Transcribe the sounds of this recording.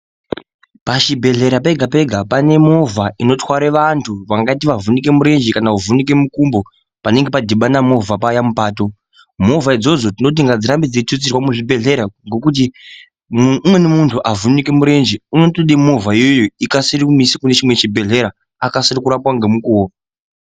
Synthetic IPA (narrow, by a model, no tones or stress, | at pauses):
pat͡ʃibʱe̞ɮe̞ɾape̞ɡʱape̞ɡʱapane̞mo̞vaʔino̞twaɾeʋantʰuʋaŋɡat̬iʋavunik̬e̞muɾe̞nd͡ʒikanauvunike̞mukumbo̞ | pane̞ŋɡe̞padʱiɓanamo̞vʱapajamupaːto̞ | mo̞vaid͡zo̞d͡zo̞tino̞t̬iŋɡad͡ziɾambid͡zitut͡sirwamuʐibʱe̞ɮe̞ɾaŋɡo̞kut̬i | mwe̞nemuntʰuʔavunikemuɾe̞nd͡ʒiuno̞toɗimo̞vaijojoikasiɾikumisikune̞t͡ʃimwe̞t͡ʃibʱe̞ɮe̞ɾa | akasiɾikuɾapwaŋɡe̞mukuwo